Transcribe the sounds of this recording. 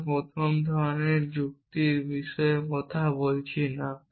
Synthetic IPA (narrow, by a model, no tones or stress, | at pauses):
pɾot̪ʰɔmd̪ʱɔɾneɾd͡ʑuk̚t̪iɾbiʃɔekɔt̪ʰabolt͡ɕʰina